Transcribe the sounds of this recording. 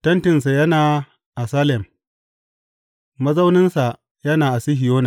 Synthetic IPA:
tɐ˦ntɪ˨ns̬a˨jɐ˦naː˨ | ʔa˨saː˦lɛ˨m | mɐ˦za˦wnɪ˦nsa˨ | jɐ˦naː˨ʔa˨sɪ˦ɦɪ˨joː˦na˨

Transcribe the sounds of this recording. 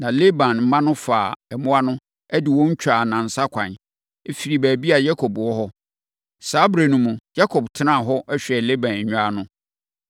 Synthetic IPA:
nã˨le˦bã˨nm̩˦mã˦nʊ̃˦faː˨ɛ˨mʊ̃˦a˦nʊ̃˦ | æ˦dɪ˨wɔ̃˦ɲ̩˦t͡ɕᶣa˨nã˨n̩˨sa˦kʷʰã˨n | e˦fi˨ɾi˨bæː˨bi˦a˨ja˦kʰɔ˨bwɔ˦ɦɔ˦ | saː˦bɾe˨nũ˨mũ˨ja˦kʰɔ˨btʰɪ˦nã˦˨ɦɔ˦ʔɛ˦ɕᶣɛ˨le˦bã˨n˨ɲᶣʊ̃˦a˦nʊ̃˦

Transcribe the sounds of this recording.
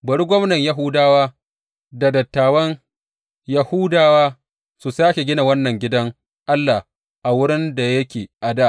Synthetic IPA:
bɐ˨ɽi˦ɡʷɔ˦mnɐ˨ɲja˦ɦʊ˦daː˦waː˦ | da˨dɐ˨tːaː˨wɐ˦ŋ | ja˨hu˦daː˨waː˦ | su˨saː˦kʲe˨ɡʲɪ˦na˨wɐ˦nːɐ˨ŋɡʲɪ˦dɐ˦ŋ | ʔa˦lːa˨h | ʔa˨wʊ˦ɾɪ˦nda˨jɐ˦kʲeː˨ʔa˨daː˦˨ʔ

